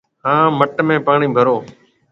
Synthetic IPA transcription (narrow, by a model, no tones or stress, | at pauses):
ɦãːməʈmẽːpaːɳĩːbʱəɾoː